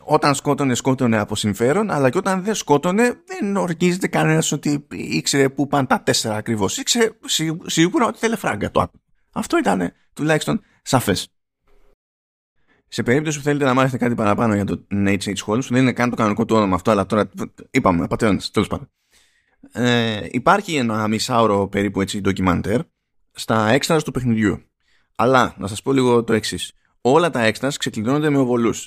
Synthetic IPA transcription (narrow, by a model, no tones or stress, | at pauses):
o̞t̪ɐnsko̞t̪o̞ne̞sko̞t̪o̞neɐpo̞siɱfe̞ɾo̞nɐ̰lɐceo̞t̪ɐnðesko̞t̪o̞ne̞ðenoɾcize̞t̪e̞kɐne̞nɐso̞t̪iikse̞ɾe̞pupɐnt̪ɐt̪e̞se̞ɾɐːkɾivo̞sikse̞ɾesisiɣuɾɐo̞t̪i̥θele̞fɾɐ̰ŋɡɐt̪oɐ̰t | ɐft̪o̞it̪ɐne̞ | t̪ulɐçist̪o̞n | sɐfe̞s | se̞pe̞ɾip̚t̪o̞sipuθele̞t̪e̞nɐmɐθeset̪ekɐt̪ipɐɾɐpɐno̞ʝɐt̪onesesxo̞lsuðe̞ninekɐnt̪o̞kɐno̞niko̞t̪uo̞nomɐːft̪o̞ɐlɐt̪o̞ɾɐipɐmepɐt̪eond̪ɐst̪e̞le̞spɐ̰nd̪o | eḭpɐɾçie̞nɐmisɐoɾo̞pe̞ɾipue̞t͡sid̪o̞cimɐnt̪eɾ | st̪ɐe̞kst̪ɾɐst̪upe̞xniðʝṵ | ɐlɐnʔɐsɐspo̞liɣo̞t̪o̞eksis | o̞lɐt̪ɐe̞kst̪ɾɐskse̞klino̞nod̪e̞me̞o̞vo̞lus